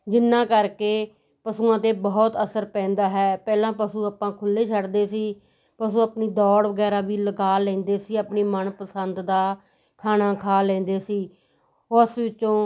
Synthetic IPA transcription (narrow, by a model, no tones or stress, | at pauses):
d͡ʒɪnːãːkəɾkeː | pəsuːãːt̪eːbɔɦt̪əsəɾpɛ̃ːnd̪aːɦɛːpɛːlãːpəsuːaːpãːkʰʊlːeːt͡ʃʰəɽd̪eːsiː | pəsũːəpniːd̪ɔːɽʋəɡɛːɾaːʋiːləɡaːlɛ̃ːnd̪eːsiːəpniːmənpəsənd̪d̪aː | kʰaːnaːkʰaːlɛ̃ːnd̪eːsiː | ʊsʋɪt͡ʃːt͡ʃõː